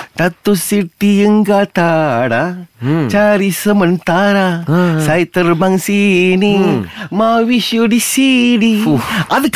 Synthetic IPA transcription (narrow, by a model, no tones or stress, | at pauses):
t̪at̪ːosiʈ̪ijəŋɡat̪aɽat͡ɕaɾisəmənt̪aɾasajt̪əɾbaŋsinimaʋiɕjoɖisiɖiad̪k